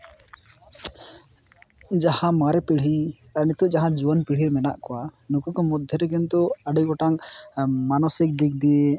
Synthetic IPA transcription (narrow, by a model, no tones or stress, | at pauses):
d͡ʒahãmaɾɛpiɽ̤iaɾnit̪uʔd͡ʒaɦãd͡ʒuanpiɽ̤iɾmɛna̰ʔkɔwanukukɔmɔd̪ʱːɛɾɛɡɛnt̪uaɖiɡɔʈaŋmanɔsik̚d̪ik̚d̪ije